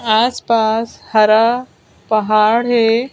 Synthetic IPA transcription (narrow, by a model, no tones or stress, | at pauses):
aːspaːshɐɾa | pɐɦaːɽɦeː